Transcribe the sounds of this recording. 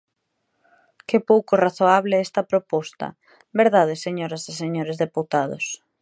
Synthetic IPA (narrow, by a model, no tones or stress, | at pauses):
kɪpowkoraθoaβlɪɛst̪ɐpɾopɔst̪ɐ̰ | beɾðaðɪseɲoɾɐseseɲoɾɪzðeput̪aðo̰s